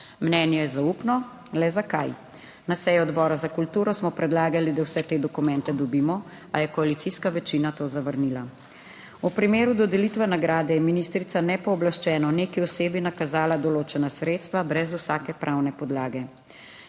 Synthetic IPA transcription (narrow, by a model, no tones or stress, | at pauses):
mnɛːnjɛjɛzaupnɔ | lɛzaka̰j | nasɛjɔɔd̪bɔːɾazakult̪uːɾɔsmɔpɾɛd̪laːɡalid̪awsɛt̪eːd̪ɔkumɛnt̪ɛd̪ɔbiːmɔ | ajɛkɔalit̪siskaʋɛt͡ʃinat̪oːzaʋəɾnila | upɾimeːɾud̪ɔd̪ɛlit̪ʋɛnaɡɾaːd̪ɛjɛminist̪ɾit̪sanɛpɔːblaʃt͡ʃɛːnɔneːkiɔseːbinakazaːlad̪ɔloːt͡ʃɛnasɾeːt̪st̪ʋabɾɛzusaːkɛpɾʔawnɛpɔd̪laːɡɛ